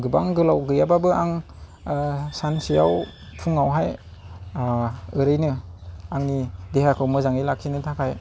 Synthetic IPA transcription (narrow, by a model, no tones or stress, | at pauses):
ɡɯbaŋɡɯlawɡɯjababɯaŋ | sansijawpʰuŋawɦaj | ɯɾɯjnɯaŋnidehakʰɯwmɯzaŋilak̚ʰinɯtʰakʰaj